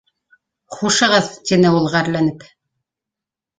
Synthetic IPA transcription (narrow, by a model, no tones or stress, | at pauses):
χuʃɤ̆ʁɤðt̪ʲinɘulˠʁɑːɾlænɘp